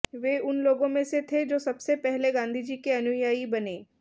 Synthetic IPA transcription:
ʋeːʊnloːɡõmẽset̪ʰed͡ʒoːsɐbsepɛɦleɡãːnd̪ʱid͡ʒiːkeɐnʊjaːibɐneː

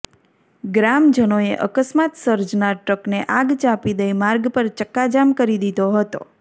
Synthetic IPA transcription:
ɡɾamd͡ʒənoeʔə̰kəsmat̪səɾd͡ʒnaʈɾəkneʔãɡt͡ʃapid̪əimaɾɡpəɾt͡ʃəkːad͡ʒamkəɾid̪id̪oɦət̪o̰

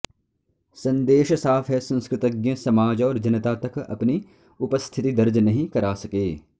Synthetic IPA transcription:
sɐ̃nd̪eːʃsaːfʰɦɛsɐ̃nskɾɪt̪əɡjẽsɐmaːd͡ʒɔːɾd͡ʒɐnət̪at̪ɐkɐ̰pni | ʊpəst̪ʰɪt̪id̪ɐɾd͡ʒnɐɦĩkɐɾaːsɐkeː

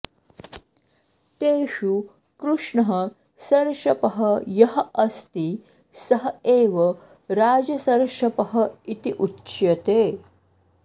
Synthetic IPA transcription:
t̪eːʃu | kɾuʂɳɐɦɐ | sɐɾʂɐpɐɦɐjɐɦɐɐst̪i | sɐɦɐeːʋɐ | ɾaːd͡zɐsɐɾʂɐpɐɦɐit̪iʔutːɕjɐt̪e

